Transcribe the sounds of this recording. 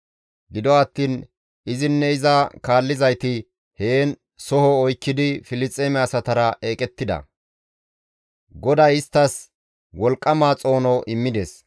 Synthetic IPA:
ɡɪd̪ɔɐt̪ːiːn | ɪzɪnːɛɪzɐkaːlːɪzɐjt̪ɪ | heːn | sɔhɔːjkːɪd̪ɪfɪlɪt͡sʼːeːmɛɐsɐt̪ɐɾɐʔe̞ːkʼɛt̪ːɪd̪ɐ̰ | ɡɔd̪ɐjɪst̪ːɐs | wɔlkʼːɐmaːt͡sʼo̞ːnɔʔɪmːɪd̪eːs

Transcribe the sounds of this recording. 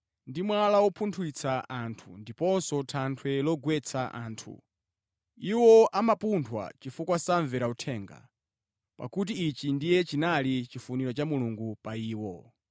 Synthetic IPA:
ndimwalawɔpʰuntʰuwit͡sʰaʔantʰundipɔnsɔtʰantʰwɛlɔɡwɛt͡sʰaʔa̰ːntʰṵ | iwɔʔamapuntʰwa̰t͡ʃifukwasaɱvɛɾautʰɛːŋɡa̰ | pa̰kut̬iːt͡ʃindijɛt͡ʃinalit͡ʃifuniɾɔt͡ʃamuluŋɡupaiːwɔ

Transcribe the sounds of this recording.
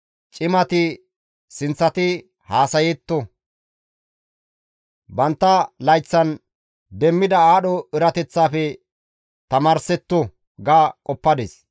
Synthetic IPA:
t͡ʃʼɪmɐt̪ɪ | sɪnt͡sːɐt̪ɪ | haːsɐjet̪ːɔ | bɐnt̪ːɐlɐjt͡sːɐn | d̪ɛmːɪd̪ɐaːɗɔɪɾɐt̪ɛt͡sːaːfɛ | t̪ɐmaːɾsɛt̪ːɔ | ɡaːkʼɔpːɐd̪es

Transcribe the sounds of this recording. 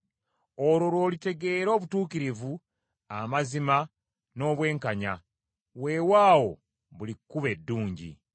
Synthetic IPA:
oɾo̞lwo̞ːlite̞ɡe̞ːɾo̞ːβutuːkiɾivu | amazima | no̞ːβwe̞ːŋkaɲa | we̞ːwaːwo̞ | βulikːuβe̞dːuːɲɟḭ

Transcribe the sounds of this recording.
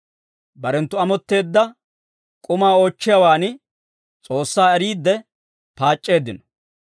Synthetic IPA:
bɐɾɛnt̪ːʊɐmɔt̪ːe̞ːd̪ːɐ | kʼʊmaːo̞ːt͡ʃːɪjɐwaːnɪ | t͡sʼo̞ːsːaːɛɾiːd̪ːɛ | paːt͡ʃʼːe̞ːd̪ɪnɔ̥

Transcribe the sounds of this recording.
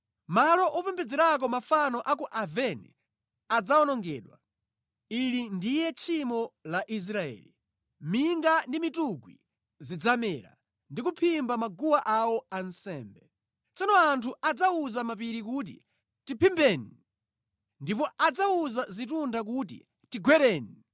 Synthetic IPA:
malɔʔɔpɛmbɛd͡zɛɾak̬ɔmafanɔʔakuʔavɛni | ad͡zaɔnɔŋɡɛːɗwa̰ | ilindijɛt͡ʃʰimɔlaʔis̬ɾaɛ̰ːli | miŋɡandimituɡwi | zid͡zamɛɾa̰ | ndikupʰimbamaɡuwaʔawɔansɛːmbɛ | t͡sɔnɔantʰuad͡zauzamap̬iɾik̬ut̬ḭ | tipʰimbɛːni | ndipɔad͡zauzazit̬undak̬uːt̬ḭ | tiɡwɛɾɛːni

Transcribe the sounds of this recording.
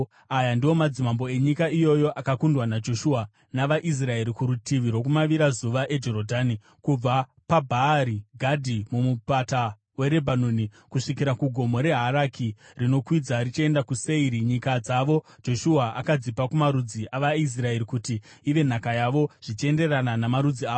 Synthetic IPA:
ajandiwo̞mad͡zimambo̞e̞ɲikaijo̞jo̞ʔakakundwanad͡ʒo̞ʃua | naʋaʔis̬rae̞ɾikuɾutiʋiɾwo̞kumaʋiɾazuʋaʔe̞d͡ʒo̞ɾodʱaːni | kub͡vapabʱaːɾiɡʱadʱimumupata | we̞ɾe̞bʱanoni | kuʂikiɾakuɡʱo̞mo̞ɾe̞ɦaɾakirino̞kwid͡zarit͡ʃie̞ndakuseiɾiɲikad͡zaʋo̞ | d͡ʒo̞ʃuaʔa̰kad͡zipakumaɾud͡ziʔaʋais̬rae̞ɾikutiː | ʋe̞n̤akajaʋo̞ʐ̥it͡ʃie̞nde̞rananamaɾud͡ziaːo

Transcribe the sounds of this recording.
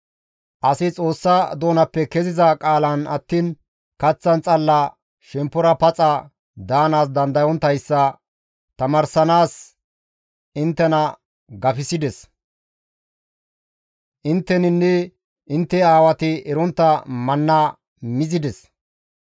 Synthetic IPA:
ʔɐsɪt͡sʼo̞ːsːɐd̪o̞ːnɐpːɛkɛzɪzɐkʼaːlɐnɐt̪ːiːn | kɐt͡sːɐnt͡sʼɐlːɐ | ʃɛmpːɔɾɐpɐt͡sʼɐ | d̪aːnaːsd̪ɐnd̪ɐjɔnt̪ɐjsːɐ | t̪ɐmɐɾsɐnaːs | ɪnt̪ːɛnɐ | ɡɐfɪsɪd̪ɛs | ʔɪnt̪ːɛnɪnːɛ | ʔɪnt̪ːɛaːwɐt̪ɪʔɛɾɔnt̪ːɐmɐnːa | mɪzɪd̪ɛs

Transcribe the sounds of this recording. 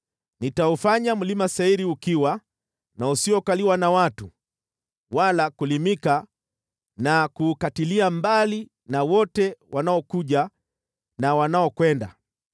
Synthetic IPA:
nitaufaɲamulimasaiɾiukiwa | nausiɔkaliwanawatu | walakulimika | nakuːkatiliambali | nawɔtɛwʔanaɔkuʄa | nawanaɔkwɛnda̰

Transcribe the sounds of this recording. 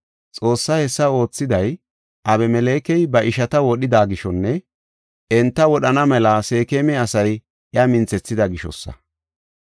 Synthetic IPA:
t͡sʼo̞ːsːɐhɛsːɐo̞ːt͡sːɪd̪ɐj | ʔɐbɛmɛle̞ːkɛjbɐʔɪʃɐt̪ɐwɔɗɪd̪aːɡɪʃɔnːɛ | ʔɛnt̪ːɐwɔɗɐnɐmɛlɐse̞ːkeːmɛɐsɐj | ɪɐmɪnt͡sɛt͡sːɪd̪ɐɡɪʃɔ̰sːɐ̰

